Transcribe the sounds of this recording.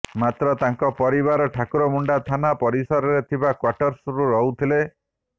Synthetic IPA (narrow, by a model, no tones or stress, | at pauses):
mat̪ɾɔt̪aŋkɔpɔɾibaɾɔʈʰakuɾɔmuɳɖat̪ʰanapɔɾisɔɾɔɾet̪ʰibakwaʈɔɾsuɾuɾɔɦut̪ʰile